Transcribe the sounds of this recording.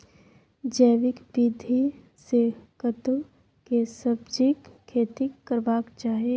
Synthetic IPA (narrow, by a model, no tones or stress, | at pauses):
d͡ʒəjʋɪkbid̪ʱi | sekət̪u | kesəb̚d͡ʒikʰːeːt̪iəɾbaːkt͡ʃaːɦie